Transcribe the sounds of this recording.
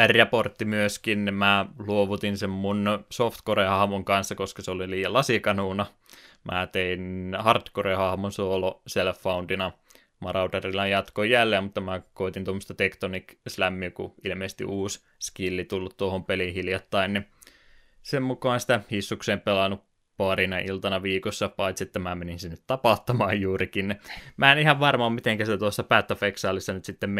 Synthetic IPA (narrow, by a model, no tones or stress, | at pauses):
ærʲjɑport̪ːimyøskinnimæːluoʋut̪insemmunsoft̪korehɑhmoŋkɑnsːɑkoskɑseoliliːjɑlɑsikɑnuːnɑ | mʔæ̰ːt̪einhɑrt̪korehɑhmonsooloselfːɑund̪inɑ | mɑrɑut̪ɑrilːɑjjɑt̪kojjælːeːmut̪ːɑmækoit̪inomːŏst̪ɑt̪ekt̪onikslæmːykṵilmeːsest̪ḭʔuːs | skilːit̪ulːut̪t̪uohompelihiljɑt̪ːɑinni | semmukˑɑˑːnsi̥t̪æhisːukseːmpelɑnup | pɑrinɑʔilt̪ɑnɑʋiːkosːɑpɑit̪siet̪ːæmæmeninsinːet̪t̪ɑpɑt̪ːɑmɑːjjuːrikinnimæːnihɑʋʋɑrmɑːmmit̪eŋkæst̪æt̪uɑsːɑpæːt̪ːɑfeksɑːlːisːɑnyt̪sit̪ːemm